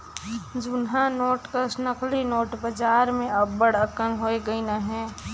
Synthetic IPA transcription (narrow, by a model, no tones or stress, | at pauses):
d͡ʒʊnɦanoːʈkəsnəklinoːʈbəd͡ʒaːɾmẽɐbːəɽəɾkənɦoːeɡəinaɦɛ̃ː